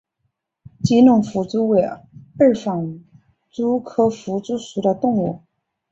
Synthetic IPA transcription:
t͡ɕi˧˥nʊ˥˩ŋfu˧˥t͡su˥we˧˩ɪə˥˩fɑ˨˩ŋ | t͡su˥kʰɤ˥fu˧˥t͡su˥ʂu˨˩ɾə˧t̪ʊ˥˧ŋu˥˩

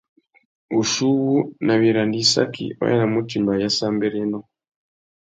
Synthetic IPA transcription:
u˨ʃu˦βu˦na˨βi˨ɾa˨ndi˦sa̰˦kʰḭ˨o̰˦ja̰˦na˨mu˦ti˨mba˨ja˦saː˦mbe˦ɾe˦no˦

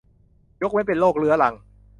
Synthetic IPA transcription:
jo˦˥k̚wa˦˥np̬e˨nloː˥˩k̚lɯ˦ɐla˧ŋ

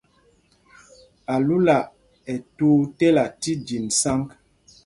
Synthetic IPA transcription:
a˨lu˦la˨ʔ | ɛ˨tu˦tɛ˦la˨ti˦di˨nsa˦ŋk

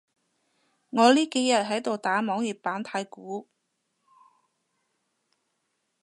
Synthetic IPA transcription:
ŋɔː˨˧liː˥ke˨˥jjɐ˨t̚ɦɐ˨˥jt̪o˨wt̪aː˨˥mɔː˨˥ŋjiː˨˩p̚paː˨˥nt̪ʰaː˧jkuː˨˥

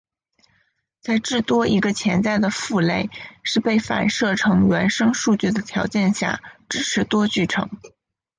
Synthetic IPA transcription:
t͡sa˥˧ɪʈ͡ʂɻ̩˥˩t̪wɔ˥ʔi˧˥ɡə˧t͡ɕʰjɛ˧˥nt͡sa˥˩ɪd̪ə˩fu˥˧le˥˩ɪʂɻ̩˥˧pe˥˩ɪfa̰˨˩nʂɤ˥˩ʈ͡ʂʰɤ˧˥ŋɥɛ˧˥nʂɤ˥ŋʂu˥˧t͡ɕy˥˩d̪ə˩t̪ʰjɑ˧˥ʊt͡ɕjɛ˥˧nɕja̰˥˩ʈ͡ʂɻ̩˥ʈ͡ʂʰɻ̩˧˥t̪wɔ˥t͡ɕy˥˩ʈ͡ʂʰɤ̰˧˥ŋ

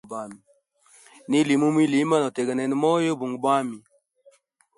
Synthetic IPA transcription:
ba˨mi˨ | ni˦li˨mu˦mi˦li˨˦ma˦nɔ˨te˨ɡa˨nɛ˨n˦mɔ˦jo˦bu˨ŋɡba˦mi˨

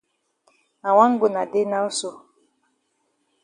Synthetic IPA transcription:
a˨wa˦ŋ̩˦ɡo˨na˨de˦na˦u˦so˦

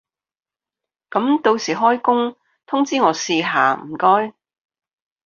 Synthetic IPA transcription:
kɐ˨˥mt̪o˧wsiː˨˩ɦɔː˥jkʊ˥ŋ | t̪ʰʊ˥ŋt͡siː˥ŋɔː˨˧siː˧ɦaː˨˧m̩˨˩kɔː˥j

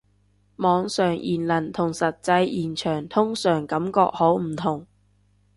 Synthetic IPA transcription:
mɔː˨˧ŋsœː˨˩ŋjʔiː˨˩nlɐ˨˩nt̪ʰʊ˨˩ŋsɐ˨t̚t͡sɐ˧jjiː˨˩nt͡ʃʰœː˨˩ŋt̪ʰʊ˥ŋsœː˨˩ŋkɐ˨˥mkɔ̰ː˧k̚ho˨˥wm̩˨˩t̪ʰʊ˨˩ŋ

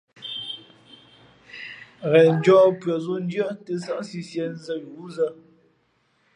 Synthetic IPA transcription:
ɣɛ˨n̩˦d͡ʒɔː˦pɥə˨zo˦n̩˦dɰə˦te˦sa˦ʔsi˦sjɛ˦n˦zə˦ju˨˦zə˦

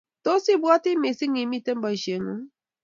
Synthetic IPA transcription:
to˦si˦bu˦ɔ˦tɪ˦me˨si˦ŋi˨mi˦˨te˦m̩˦ba˨i˨ʃe˨ŋu˦

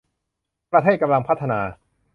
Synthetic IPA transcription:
pɾa˧t̪ʰeː˥˩ka˧mla˧ŋpʰa˥˩t̪ʰːa˧naː˧

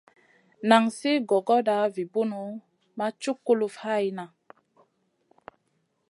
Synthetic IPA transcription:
na˨ŋsi˦ɡɔ˨ɡɔ˦da˨˦vi˨bu˦nu˨˦ | ma˦t͡ʃu˦kːu˦lu˨fha˦˨ji˦na˨

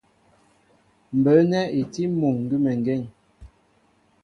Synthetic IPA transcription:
m̩˨bə˨˦nɛ˦e˨ti˦mu˨ŋŋ˨ɡi˦mɛ˨ŋ˨ɡɛ˦˨ŋ

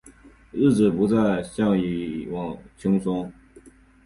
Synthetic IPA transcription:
ɻ̩˥˩ʈ͡ʂɻ̩˨˩pu˧˥t͡sa˥˧ɪɕjɑ˥˩ŋi˧˨˩wɑ˨˩ŋt͡ɕʰi˥ŋsʊ˥ŋ

